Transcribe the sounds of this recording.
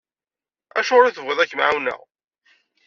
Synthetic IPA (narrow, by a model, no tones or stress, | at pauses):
æʃoɾiθəvʁɪðˤækːmʕawnə̰ʁ